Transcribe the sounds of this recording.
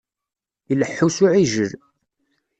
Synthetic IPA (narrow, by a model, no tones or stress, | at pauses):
iləħːusʊʕiʒəɾ